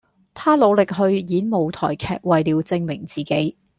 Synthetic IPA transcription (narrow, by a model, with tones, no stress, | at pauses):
t̪ʰaː˥lo˨˧wlɪ˨k̚ɦɵ˧ɥjiː˨˥nmo˨˩wt̪ʰɔ̰ː˨˩jkʰɛ̰ː˨˧k̚wɐ˨jliː˨˧wt͡sɪ˧ŋmɪ˨˩ŋt͡siː˨˩ke˨˥j